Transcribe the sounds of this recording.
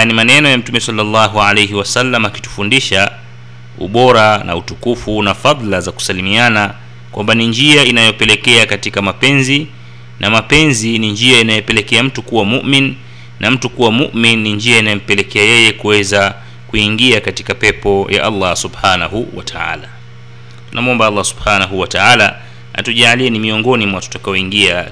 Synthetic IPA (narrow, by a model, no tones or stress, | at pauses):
nimanɛnɔjam̩tumɛsalːalːɑɦualejɦiwasalːamaki̥tu̥fundiʃa | ṵɓɔɾana̰utukufunafaðˤlazaku̥salimiana | kwambaniɲd͡ʒiainajɔpɛlɛkɛakatikamapɛnzi | nʔamapɛnziniɲd͡ʒiainajɛpɛlɛkɛam̩tukuwamuʔmin | nam̩tukuwamuʔminːiɲd͡ʒiainajɔm̩pɛlɛkɛajɛjɛkuwɛza | kuiŋɡiakatikapɛpɔjʔa̰ʔalːɑsubħanahuwa̰tʰaa̰la | tunʔamuɔmbaalˠːasub̥hanaɦuwataala | ha̰tuʄaːliɛnimiɔŋɡɔnimwatu̥takaɔiŋɡia